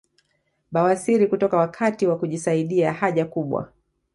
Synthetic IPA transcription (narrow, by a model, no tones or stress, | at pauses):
ɓawasiɾikutɔkawakʰatiwakuʄisaiɗiahaʄakuɓwa̰